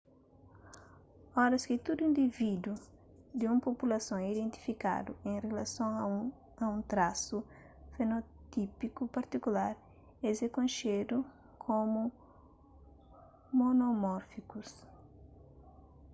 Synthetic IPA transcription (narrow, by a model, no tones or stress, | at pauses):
ɔɾɐskɪt̪ud̪uĩnd̪ivid̪u | d̪ɪũmpopulɐsõŋid̪ẽnt̪i̥fika̰d̪uẽrelɐsõŋ | ɐũt̪ɾasu | fenot̪ipikupɐɾt̪ikulaɾ | ezekõnʃed̪u | kʰomu | monomɔɾfikus